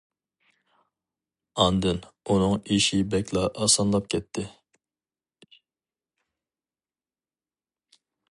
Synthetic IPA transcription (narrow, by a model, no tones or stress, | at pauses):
ɑnd̪ɨnunɨŋiʃibɛkʲlˠɑʔɑsɑnlˠɑp̚kʲʰɛt̪ʰːɪ